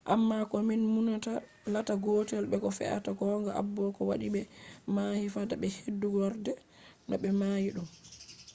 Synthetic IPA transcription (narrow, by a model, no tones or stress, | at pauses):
ʔa̰mːakɔminmunata | lataɡotɛlɓɛkɔfɛ̰ʔa̰takɔŋɡaʔa̰bːɔkɔwa̰ɗiɓɛmaːhifataɓɛhedːuɡɔɾdɛ | nɔ̰ɓɛmaːjiɗum